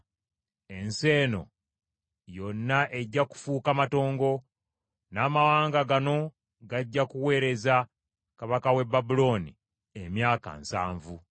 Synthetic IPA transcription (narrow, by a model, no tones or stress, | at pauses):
e̞nse̞ːno̞̰ | jo̞nːaʔe̞ɟːaku̥fuːkamato̞ːŋɡo̞ | naːmawaːŋɡaɡano̞ | ɡaɟːakuwe̞ːɾe̞za | kaβakawe̞bːabulo̞nḭ | emjaːka̰nsa̰ːɱvu